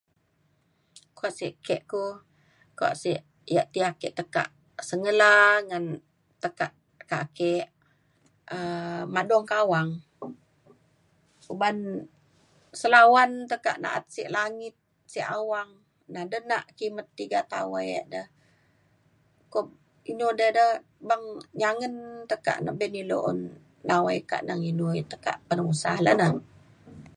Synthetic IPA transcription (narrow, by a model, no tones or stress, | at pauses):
kuaʔsiʔkɛʔku | kua̰ʔsiʔ | jaʔt̪iakɛʔt̪əka̰ʔ | səŋəlaŋan | t̪əkaʔ | kakɛʔ | əmadɔŋkawaŋ | uban | səlawant̪əka̰ʔna̰ʔa̰t̪̚siʔlaŋɪt̪̚ | siʔawaŋ | nadənaʔkimət̪ːiɡat̪a̰wajə̰ʔdəh | ko | inudədəh | baŋɲaŋənt̪əka̰ʔna̰ʔbɛnilo̰ʔnː | awajka̰ʔnaŋinujt̪əka̰ʔpənusahlə̰nəh